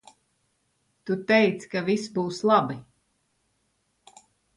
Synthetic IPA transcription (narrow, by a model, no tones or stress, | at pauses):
t̪ut̪ɛjt̪skavisbuːslˠabi